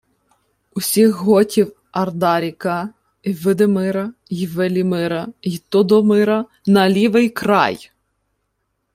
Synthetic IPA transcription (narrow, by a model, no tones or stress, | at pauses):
ʊsʲixɦɔtʲiw | ɐrd̪ɑɾʲikɑ | iʋɪd̪ɪmɪɾɐjʋelʲimɪɾɐjt̪ɔd̪ɔmɪɾɐ | nɐlʲiʋɪjkɾɑ̰j